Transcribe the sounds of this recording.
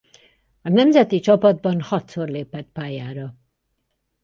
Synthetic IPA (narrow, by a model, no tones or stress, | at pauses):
ɒnɛmzɛt̪it͡ʃɒpɒd̪̚bɒnhɒt̪sorleːpɛt̪paːjaːɾɒ